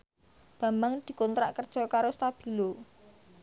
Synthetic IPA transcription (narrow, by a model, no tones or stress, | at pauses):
b̥a̤mbaŋd̪̥i̤kɔnt̪ɾaʔkərd̥ʒ̥ɔ̤kaɾost̪ab̥i̤lo